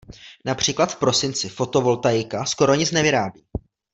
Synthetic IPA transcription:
napr̝̥iːklat̪fpɾo̞sɪnt͡sɪfo̞t̪o̞vo̞lt̪ajɪkasko̞ɾo̞ɲɪt͡snɛvɪɾaːbiː

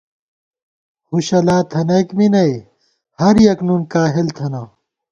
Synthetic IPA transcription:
huɕɐlaːt̪ʰɐnɐkminɐe | hɐɾjɐknunkaːɦelt̪ʰɐnɐ

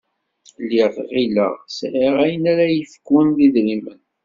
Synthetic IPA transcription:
liʁʁilə̰ʁsɾiʁæjənæɾæjəfə̥kwənðiðɾimən

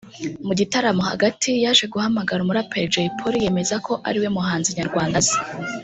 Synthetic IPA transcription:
muɟitaɾamoha̰ɡatʰijaːʒwe̞ɡuhamaɡaɾumuɾapʰeɾd͡ʒejipʰoɾije̞me̞zakʰo̞ʔa̰ɾiwe̞muɦaːnziɲaɾɡwaːndazi̥

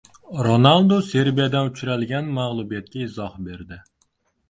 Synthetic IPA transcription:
ɾonɑlˠd̪oseɾbijɛd̪ɛnyt͡ʃʰyɾɛlɡʲɛnmæʁlˠubijɛt̪̚kʲɛizɑhbeɾd̪ɪ

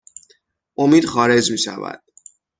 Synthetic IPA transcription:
ʔomiːd̪̥xɒːɾe̞d͡ʒmiːʃæ̰væ̰d̪̥

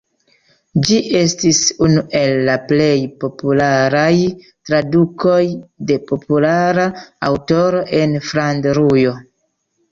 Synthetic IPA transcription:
d͡ʒiʔe̞stisunuʔe̞lːaple̞jpo̞pulaɾaj | tɾaduko̞jde̞po̞pulaɾaawto̞ɾo̞ʔe̞nfɾandɾujo̞

